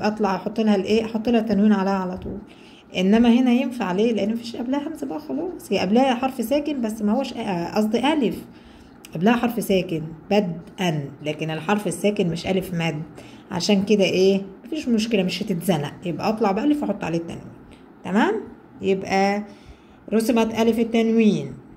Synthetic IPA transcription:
jebʔæʔɑt̪ˤlɑʕjɑħot̪ˤːelæhælʔeːʔɑħot̪ˤːelhæt̪ːænwiːnʕalæːhæʕalæt̪ˤṵːl | ʔenːæmæhenæjenfaʕleːleʔenːmæfiːʃʔæblæhæhæmzæbæʔæxɑlɑːsˤjæʔæblæːæħɑɾˤfsæːkenbæsːmæhowːæʃʔæʔɑsˤd̪eʔælef | ʔæblæːhæħɑɾˤfsæːkenbæd̪ʔænlæːkenelħɑɾˤfesːæːkenmeʃʔælefmæːd̪ːʕa̰ʃæːnked̪æʔeːmæfiːʃmoʃkelæmeʃhæt̪et̪zænæ̰ʔjebʔæ̰ʔɑt̪ˤlɑʕbeʔælefɑħot̪ˤːʕaleːt̪ːæ̰nwḭːn | t̪æmæːm | jebʔæ | ɾosemæt̪ʔælefet̪ːænwiːn

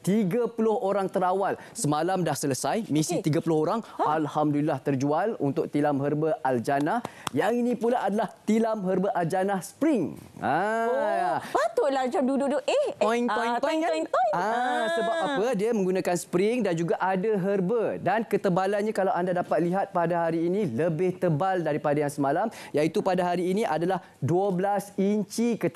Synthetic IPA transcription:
t̪iɡapulʊhoɾaŋt̪əɾawal | səmalamdahsələsajmĩsit̪iɡapulʊɦoɾaŋalhamdulilaht̪ərd͡ʒualṵnt̪ʊk̚t̪ilamɦərbəald͡ʒanahjaŋinĩpulaʔadalaht̪ilamɦərbəʔald͡ʒanahsə̥pɾɪŋa | at̪ulad͡ʒamduduʔdʊʔepɔnɔipɔkɔasəbap̚apədiamə̃ŋɡunãkanspɾɪŋdand͡ʒuɡaʔadaɦərbədankət̪əbalanɲakalawʔandadapat̪̚liɦat̪̚padaɦaɾiːnĩləbɪht̪əbaldaɾipadajaŋsəmalamjait̪upadaɦaɾiːnĩʔadalah | duəblasiɲt͡ʃikə

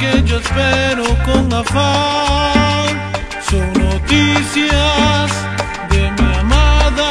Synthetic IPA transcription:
ked͡ʒoespeɾokoŋafa | ŋ | sownot̪isjaz | d̪emiamaða

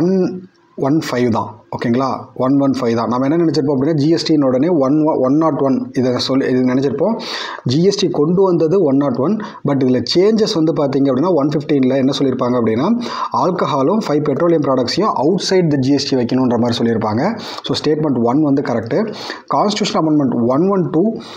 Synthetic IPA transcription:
ʋɐn | ʋɐnfɐɪʋd̪ã̰ːoːkːeŋɡɐɭaːʋɐnʋɐnfɐɪʋd̪ãːnaːmɐɛnːɐnɪnɛt͡ʃːɪɾɯp̬ːõɐpɐɽɪnːaːd͡ʒiːɛsʈiɪnoːɽɐneːʋɐnʋɐʋɐnːaːʈʋɐnɪðɐsɔlɪðnɪnɛt͡ʃːɪɾɯpːõː | d͡ʒiːɛsʈikɔɳɖɯʋɐnd̪ɐðɯʋɐnːaːʈʋɐn | bɐʈ̬ːɪðɪlɐt͡ʃeːɲd͡ʒɛsʋɐnd̪ɯpaːɾt̪iːŋɡɐpːɐɽɪnːaːʋɐnfɪfʈiːnɪlɐɛnːɐsɔlːɪɾɯpːaːŋɡɐpːɐɽɪnːaː | aːlkɐɦaːlɯ̃mfɐɪʋpɛʈɾoːlɪjɐmpɾaːɽɐk̚ʈsɪjʊ̃ʔɐʊʈsɐɪɖd̪ɐd͡ʒiɛsʈiʋɐɪkːɐnʊ̃ɪndɾɐmaːd̪ɾisɔlːɪɾɯpːaːŋɡɐ | soːsʈeːʈ̚mɛɳʈʋɐnʋɐnd̪ɯkɐɾɛk̚ʈːɯkaːnsʈɪʈjuːʂɐnɐmɐɳɖmɛɳʈʋɐnʋɐnʈuː

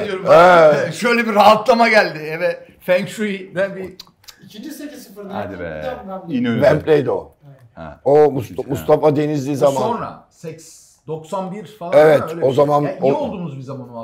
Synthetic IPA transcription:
d̪joɾumɛʃø̞jlʲɛbiɾaɦat̪lˠamaɟælʲd̪ɪɛvɛ | fænksuibænbi | it͡ʃʰind͡ʒiseisɯfɾnad̪ | ibæmpʰlʲejd̪o̰ | omusmust̪ʰafad̪e̞nizd̪iːzammanonɾa̰sɛks | d̪oksanbiɾaevɛt̪o̞zamanoolˠd̪uːmuzbizamano

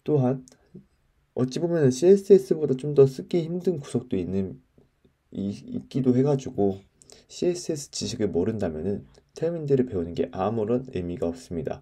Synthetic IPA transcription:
t͈oɦan | ʌtt͡ɕ͈ibomjʌnɯnɕʰies͈ʰɯes͈ɯbodat͡ɕomdʌs͈ʰɯɡiçimdɯnku̥sʰʌk̚t͈oinːɯn | ḭk͈idohe̞ɡad͡ʑuɡo | ɕʰies͈ʰɯes͈ʰɯ̥t͡ɕiɕʰiɡɯɭmʌɾɯndamjʌnɯntʰemindɯɾɯɭpe̞onɯnɡe̞ʔamuɾʌnḛmiɡaʌp̚s͈ɯmɲida̰

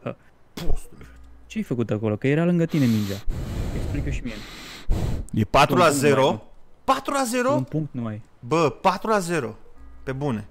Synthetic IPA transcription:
hə̰ | post̪t͡ʃeajfəkut̪akolo̞kəje̞ɾalɨŋɡət̪inemind͡ʒaeksplikjoʃimin | jepat̪ɾulaze̞ɾopat̪ɾulaze̞ɾonpuŋk̚t̪numaj | bəpat̪ɾulaze̞ɾope̞bune̞

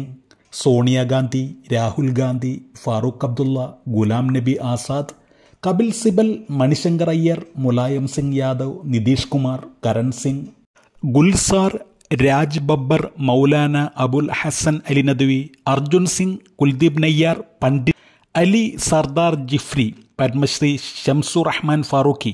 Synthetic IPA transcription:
ŋ | so̞ːɳijaɡaːnd̪ʱiɾaːhulɡaːnd̪ʱifaːruːkːɐb̚d̪ulːɐɡulaːmnɐbiʔaːsaːd̪ | kɐbilsibɐlmɐɳiɕɐŋɡɐɾɐjːɐrmulaːjɐmsiŋɡjaːd̪ɐwnid̪iːʂkumaːrkɐɾɐnsiŋɡ | ɡulsaːr | ɾaːd͡ʑbɐbːɐrmɐwlaːnɐʔɐbulhɐsɐnɐlinɐd̪iʋiɐrd͡ʑunsiŋɡkuld̪ibnɐjːaːrpɐɳɖi | ɐlisɐrd̪aːrd͡ʑifɾi | pɐɾmɐɕriɕɐmsurɐħmaːnfaːɾuːki

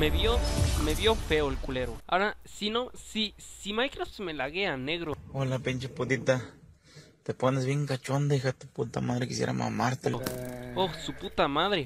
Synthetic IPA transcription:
meβjomeβjofeoelkuleɾoa̰ɾasinosisimajkɾosmelaɣeaneɣɾoolapent͡ʃapud̪it̪a | t̪eponesbiŋkat͡ʃond̪eixat̪u̥put̪amaðɾekisjḛɾa̰ma̰maɾt̪eloosuput̪amaðɾe

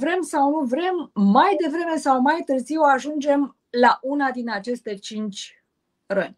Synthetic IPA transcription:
vɾe̞msawnuvɾe̞mːajd̪e̞vɾe̞me̞sawmajt̪ɨrziwaʒund͡ʒe̞m | laʔunad̪inat͡ʃe̞st̪e̞t͡ʃint͡ʃʲ | rənʲ

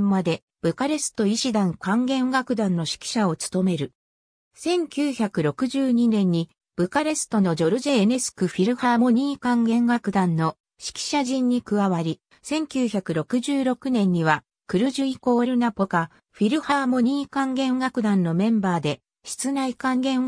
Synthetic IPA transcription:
mːad̪e̞ | b̥ɯ̟kaɾe̞sɨ̥t̪o̞iɕid̪ãŋkãŋɡẽ̞ɡakɯ̟d̪ãnːo̞ɕi̥kʲi̥ɕao̞t͡sɨ̥t̪o̞me̞ɾɯ̟ | sẽ̞ŋkʲɨːçakɯ̟ɾo̞kɯ̟ʑɨːɲ̟inẽ̞ɲ̟ːi | b̥ɯ̟kaɾe̞sɨ̥t̪o̞no̞d͡ʑo̞ɾɯ̟ʑe̞nesɨ̥kɯ̟ɸʲiɾɯ̟hamo̞ɲ̟iːkãŋɡẽ̞ŋɡakɯ̟d̪ãnːo̞ | ɕi̥kʲi̥ɕaʑĩɲ̟ːikɯ̟βaβaɾʲi | sẽ̞ŋkʲɨːçakɯ̟ɾo̞kɯ̟ʑɨːɾo̞kɯ̟nẽ̞ɲ̟ːiβa | kɯ̟ɾɯ̟ʑɨiko̞ːɾɯ̟napoka | ɸiɾɯ̟hamo̞ɲ̟iːkãŋɡẽ̞ɰɡakɯ̟d̪ãnːo̞mẽ̞mbaːd̪e̞ | ɕi̥t͡sɨnaikãŋɡẽ̞ɰ

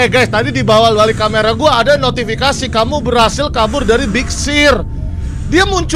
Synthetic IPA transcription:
ɡajst̪adidibawalwalikameɾaɡuaːdanot̪ifikasikamubərhasɪlkabʊrdaɾibik̚sɪr | diamuɲt͡ʃ

